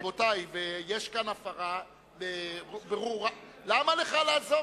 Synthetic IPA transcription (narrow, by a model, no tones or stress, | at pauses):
botajvejeʃkanafaʁa | bebeʁuʁa | lamaleχalaːzo